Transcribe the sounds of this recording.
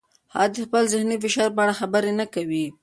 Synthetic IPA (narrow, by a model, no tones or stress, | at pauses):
hɑ̰d̪əxpəlzɪhnifɪʃɑɾp̬əaɽaxabəɾenakawi